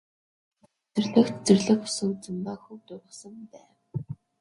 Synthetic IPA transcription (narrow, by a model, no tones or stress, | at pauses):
t͡sɵrɮɘ̆xt̪t͡sɵrɮɘ̆xʊ̥sɵt͡sɘ̆mpaxuwt̪ʊɾə̆χsə̆mt̪æː